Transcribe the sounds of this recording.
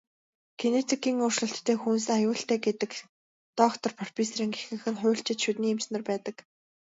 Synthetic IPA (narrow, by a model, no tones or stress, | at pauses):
kʰenet͡sʰikiːŋʊːr̥ʃɮə̆ɬt̪ːʰeːxuns̬ajʊːɬt̪æːɡet̪ɘ̆k | t̪ɔkt̪ʰɞ̆rpʰɔr̥pʰʲisɾiːŋɡexɘ̆ŋxɘ̆rχʊ̟ːɬt͡ɕɪ̆t̪ʃut̪niːemsnə̆rpæːt̪ə̆k